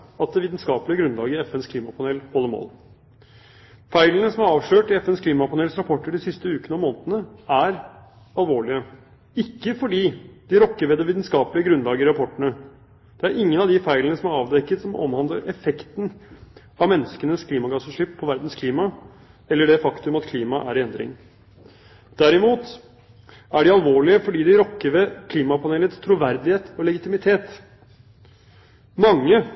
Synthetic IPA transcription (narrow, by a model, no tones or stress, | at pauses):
ɑt̪̚d̪ɛʋiːt̪nskɑːpəlɪəɡɾʉnlɑːɡəɾɪɛfɛnskʰliːmɑpʰɑnɛːlhɔlːəɾmo̰ːl | fæɪlənəsɔmæɾɑːʋʂɭøːʈɪɛfɛnskʰliːmɑpɑnɛlsɾɑpʰɔʈːəɖɪsɪst̪əʉːkənəɔmoːnət̪ənəæɾ | ɑlʋoːɭɪə | ɪkːəfɔɖiːd̪̥ɪɾɔkːəɾʋɛd̪ɛʋiːd̪nskɑːpəlɪəɡɾʉnlɑːɡəɪɾɑpʰɔʈːəɳə | d̪̥ɛæɾʔɪŋːənɑʋd̪ɪfæɪlənəsɔmæɾɑːʋd̪ɛkːət̪sɔmɔ̰mhɑnd̪ləɾʔɛfɛkt̪n̩ | ɑʋmɛnːəskənəskʰliːmɑɡɑsəʂɪpʰːɔʋæɾd̪n̩skʰliːmɑ | ɛlːəɖɛfɑkt̪ʉmɑt̪kʰliːmɑʔæ̰ɾɛnd̪ɾɪ̰ŋ | d̪̥æɾɪmuːt̪ | æɖɪɑlʋoːɭɪəfɔɖiːd̪ɪɾɔkːəɾʋɛkʰliːmɑpʰɑneːlət̪st̪ʰɾuːʋæɾd̪ɪheːt̪ɔlɛɡɪt̪ɪmɪt̪ʰeːt̪ | mɑŋːə